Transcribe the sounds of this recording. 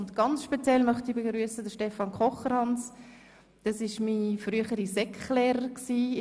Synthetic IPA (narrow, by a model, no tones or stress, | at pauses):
ʊntɡ̥ɑnt͡sʃpet͡sjɛlmœχtibeɡɾyːəsədəʃtɛfɑnkʰχɔχəɾhɑns | d̥ɑsɪʃmifryəχəɾisɛkχlɛːɾəɾksiː